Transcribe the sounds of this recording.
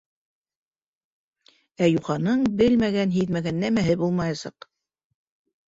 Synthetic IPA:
æjuχɑnɤɴbɘlmæɡænɦiðmæɡænːæmæɦɘbulˠmɑjɑsɑ̰q

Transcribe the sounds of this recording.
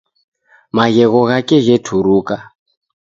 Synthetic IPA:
maɣɛɣɔɣakɛɣɛtʰuɾuka

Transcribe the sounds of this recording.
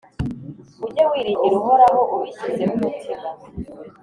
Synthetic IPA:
uɟewiːɾiɲɟiɾuɦoɾaɦoʔuβiçizemumutiɡa

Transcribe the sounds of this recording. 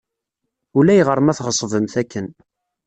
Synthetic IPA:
ʊlæjʁəɾˤmæθʁəsˤvəmθækːən

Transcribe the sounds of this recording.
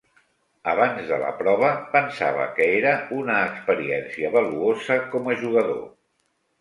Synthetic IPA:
əβanzðə̰lə̰pɾɔβ̞əpənsa̰β̞ə̰kəeɾəunəːkspəɾiɛnsiəβəluozəkɔməʒuɣ̞əðo̰

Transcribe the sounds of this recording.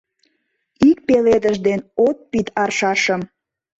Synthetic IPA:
ik̚peled̪əʒd̪enot̪̚pit̪ɑrʃɑʃəm

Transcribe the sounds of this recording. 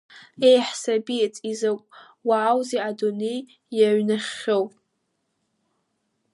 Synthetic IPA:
ejħsabiet͡sʼizakʷʼ | waːwzeadonej | jaɥnaχʲːowpʼ

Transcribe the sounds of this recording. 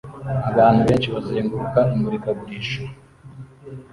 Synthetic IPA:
aβaːn̥huβe̞ːnʃiβaziɾeːŋɡuɾukaimuɾikabɡiːʃuɾ

